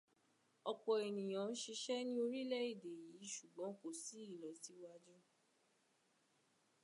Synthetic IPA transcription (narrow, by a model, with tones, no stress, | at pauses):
ɔ˧k͡pɔ˧e˨nĩ˨j̃ã˨˦n̩˦ʃi˧ʃɛ˦nĩ˦o˧ɾi˦lɛ˦i˦˨de˨ji˨˦ʃu˦˨ɡ͡bɔ̃˨˦ko˦˨si˨˦i˦˨lɔ˨˦ti˨˦wa˦˧d͡ʒu˦